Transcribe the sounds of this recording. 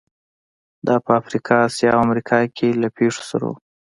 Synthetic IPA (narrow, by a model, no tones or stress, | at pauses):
d̪ɑpəafɾikʰɑːsjɑawamɾikʰɑkʰelapʰeʂo̥sa̰ɾa̰